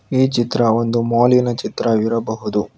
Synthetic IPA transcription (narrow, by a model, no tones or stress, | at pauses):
iːt͡ʃit̪ɾɐo̞nd̪umoːlinɐt͡ʃit̪ɾɐʋiɾɐbɐɦud̪u